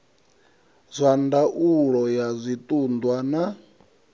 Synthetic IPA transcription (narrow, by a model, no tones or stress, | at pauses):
zʷandaʔuɺɔjazʷit̪ʼund̪wana